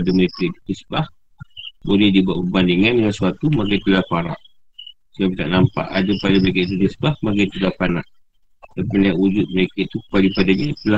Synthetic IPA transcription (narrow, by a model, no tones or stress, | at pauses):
adaməɾekait̪u̥t̪əsə̥bah | bolɛhdibuaʔpəbandiŋanŋansuwat̪umakajt̪əlahpaɾa̰ʔ | səɡap̚t̪aʔnampa̰ʔadapadabaik̬aʔit̪̬ut̪əsəbahmakajt̪əlahpana̰ʔ | dəpənaʔud͡ʒʊt̪̚məɾekait̪ukə̥palipadaɲat̪əla